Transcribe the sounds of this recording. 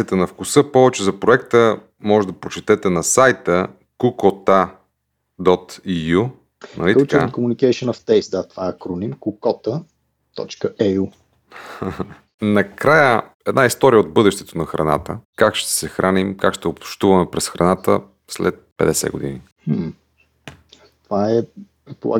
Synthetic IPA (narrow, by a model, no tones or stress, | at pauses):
ɛt̪ɛnɐfkusɤpɔvɛt͡ʃɛzɐpɾoɛkt̪ə | mɔʒɛd̪ɐpɾot͡ʃɛt̪ɛt̪ɛnɐsajt̪ə | kukɔt̪a | d̪ɔt̪iju | nɐ̰lit̪t͡ʃɛat̪kʊmunikɛʃənəft̪ɛjsd̪at̪vaɐkɾonimkukɔt̪ə | t̪ɔ̰t͡ʃkəʔɛu | nɐkɾajə | ɛd̪naist̪ɔɾijəod̪̚bɤd̪ɛʃt̪ɛ̥t̪onɐxɾɐ̰na̰t̪əkakʃt̪ɛ̥sɛxɾʔanimkakʃt̪ɛopt͡ʃt̪uvɐmɛpɾɛsxɾɐnat̪ə | slɛ̰t̪̚pɛ̰d̪ɛsɛ̰ɡo̰d̪ini | t̪ovaɛ | ɛpo̰lˠa̰